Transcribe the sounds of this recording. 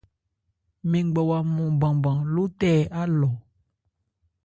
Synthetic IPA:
mẽ˨ŋ˦ɡ͡bɔ˨wa˨mɔ̃˨bã˨bã˨lo˦tɛ˦a˦lɔ˨

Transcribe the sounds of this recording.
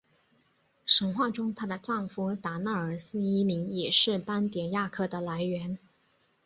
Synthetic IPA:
ʂə˧˥ŋxwa˥˩ʈ͡ʂʊ˥ŋt̪ʰa˥d̪ə˨ʈ͡ʂɑ˥˩ŋfu˥t̪a˧˥na˥˩ə˞˨˩sɹ̩˥i˥mi˧˥ŋjɛ˨˩ʂɻ̩˥˩pa˥nt̪jɛ˨˩nja˥˧kʰɤ˥˩d̪ə˨la˧˥ɪɥɛ˧˥n

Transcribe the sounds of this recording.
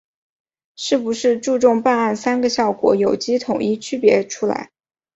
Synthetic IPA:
ʂɻ̩˥˩pu˧˥ʂɻ̩˥˧ʈ͡ʂu˥˧ʈ͡ʂʊ˥˧ŋpa˥˧na˥˩nsa˥nɡə˨ɕjɑ˥˩ʊkwɔ̰˧˥jo˨˩ʊt͡ɕi˥t̪ʰʊ˨˩ŋʔi˥˩t͡ɕʰy˥pjɛ˧˥ʈ͡ʂʰu˥la̰˧˥ɪ

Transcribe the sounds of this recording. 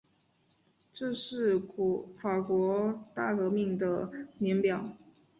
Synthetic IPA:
ʈ͡ʂɤ˥˧ʂɻ̩˥˩fa˨˩kwɔ˧˥t̪a˥˩kɤ˧˥mi˥˩ŋd̪ə˩njɛ˧˥npjɑ˨˩˦ʊ

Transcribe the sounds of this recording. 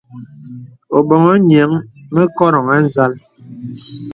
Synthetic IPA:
o˨ɓɔ˨ŋɔ˦ɲɛ˨˦ŋmə˦kɔ˦ɾɔ˨ŋa˦n˦za˦l

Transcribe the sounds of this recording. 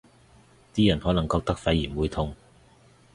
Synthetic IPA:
t̪iː˥jɐ˨˩nhɔː˨˥lɐ˨˩ŋkɔː˧k̚t̪ɐ˥k̚fɐ˨˧˥jːiː˨˩nwuː˨˧jt̪ʰʊ˧ŋ

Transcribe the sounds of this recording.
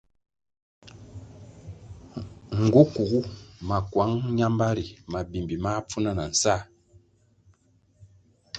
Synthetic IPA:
ŋ̩˨ɡu˦ku˨ɣu˦ma˨kwa˨˦ŋɲa˦mba˦ɾi˨ma˨bi˨mbi˨ma˦p͡fu˦na˨na˨n̩˨sa˦˨

